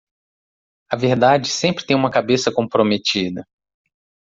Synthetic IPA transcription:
ɐveɾd̪ad͡ʒɪsẽmpɾɪt̪ẽj̃ũmɐkabesɐkõpɾomet͡ʃid̪ɐ

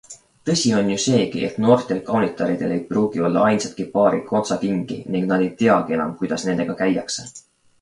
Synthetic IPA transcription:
t̪ɤ̞sʲio̞njuse̞ːkḭʔe̞̰t̪no̞ːrt̪ˑe̞lkɑwnit̪ɑɾid̪̥e̞le̞jpruːɡ̥io̞lːɑɑjnsɑt̪̚kipɑːɾiko̞nt̪sɑkiŋɡ̥ḭniŋɡnɑd̪e̞jt̪e̞ɑɡ̥ie̞nɑ̰mkujd̪̥ɑsne̞nd̪̥e̞ɡ̥ɑkæjɑkse

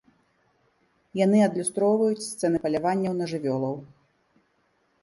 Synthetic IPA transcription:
janɨɐd̪lʲust̪ɾɔwvɐjut͡sʲst̪sɛnɨpɐlʲavanʲːɐwnɐʐɨvʲɔlˠɐw

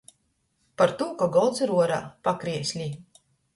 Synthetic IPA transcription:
paɾt̪uɔkaɡɔlˠt̪siɾuɔɾaːpakɾiɛsʲlʲi

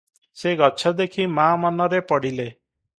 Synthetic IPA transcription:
seɡɔt͡ʃʰɔd̪ekʰimamanɔɾepɔɽile

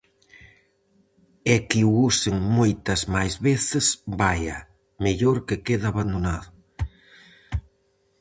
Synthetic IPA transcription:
ɛkiuuseŋmojt̪ɐzmajzβeθɪsbajɐ | meʎoɾkekeðaːβand̪onaðʊ

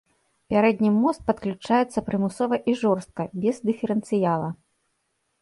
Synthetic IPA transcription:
pʲaɾɛd̪ʲnʲimːɔst̪̚pɐt̪klʲut͡ʂajɛt̪sːɐpɾɨmusɔvɐʔiʐɔrst̪̚kɐbʲɛzd̪ɨfʲɛɾɛnt̪sɨjalˠɐ

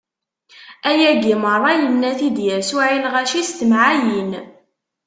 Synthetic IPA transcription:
æjæɡimərˤːɑjənːæθid̪jæɾsuʕilʁæʃist̪əmʕajin

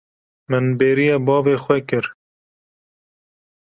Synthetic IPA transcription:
mɨnbeːɾijɛbɑːveːxwɛkɨɾ

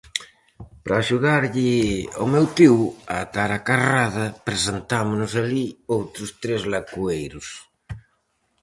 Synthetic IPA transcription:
pɾaːʃuðaɾʎɪomewt̪iwat̪aɾakaraðɐpɾesent̪amonʊsaliowt̪ɾʊst̪ɾezlakuejɾʊs

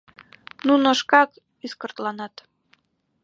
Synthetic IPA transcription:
nunŏʃkɑk | yskə̆rt̪lɑnɑt̪

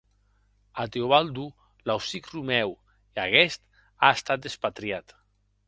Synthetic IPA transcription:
at̪eoβald̪u | lawsikrumɛw | iaɣɛst̪ | aest̪at̪̚espat̪ɾiat̪

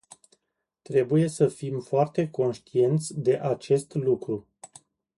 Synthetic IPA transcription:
t̪ɾe̞buje̞səfimfoart̪e̞ko̞nʃt̪ie̞nt̪sʲd̪e̞ʔat͡ʃe̞st̪lukɾu

